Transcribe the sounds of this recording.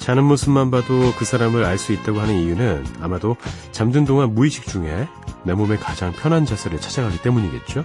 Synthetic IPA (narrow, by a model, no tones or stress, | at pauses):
t͡ɕanɯnmosʰɯmːanbadokɯsʰaɾamɯɾaɭs͈uit̚t͈aɡohanɯnijunɯna̰madot͡ɕamdɯndoŋanmuiɕʰi̥k̚t͡ɕ͈uŋe̞ | nemome̞kad͡ʑaŋpʰjʌnɦand͡ʑasʰeɾɯɭt͡ɕʰad͡ʑaŋɦaɡit͈e̞muɲiɡe̞̰t̚t͡ɕ͈o